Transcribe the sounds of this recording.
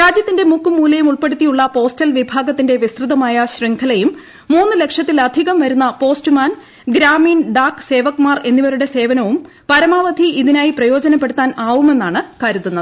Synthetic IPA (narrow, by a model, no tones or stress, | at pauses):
ɾaːd͡ʑjɐt̪ːinde̞mukːumuːlɐjumuɭpe̞ɽut̪ːijuɭːɐpo̞ːstɐlʋibʱaːɡɐt̪ːinde̞ʋist̪rɨðɐmaːjɐɕriŋkʰɐlɐjumː | uːnːɨle̞kʂjɐt̪ːilɐd̪ʱiɣɐmʋɐɾunːɐpo̞ːstɨmaːn | ɡɾaːmiːnɖaːkːse̞ːʋɐkːumaːre̞nːiʋɐɾuɽe̞se̞ːʋɐnɐʋum | pɐɾɐmaːʋɐd̪ʱiiðinaːjiprɐjo̞ːd͡ʑɐnɐp̬ːe̞ɽut̪ːaːnaːʋume̞nːaːɳɨkaːɾut̪ːunːɐðɨ